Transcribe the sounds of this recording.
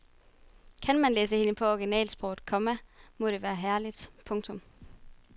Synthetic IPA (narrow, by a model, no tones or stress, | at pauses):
kʰænmænleːsəhe̝nəpʰɒ̽ɒɡ̥inɛ̰ːlsb̥ʁɒ̰ʊðˠkʰɒ̽mæmɔ̽ɾ̥e̝ʋæːɐɦæɐlid̥pʰɔ̽ŋt͡sʰɔ̽m